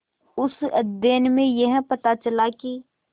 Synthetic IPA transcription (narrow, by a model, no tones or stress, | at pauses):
ʊsd̪eːnmẽjɐɦpɐt̪at͡ʃəlaki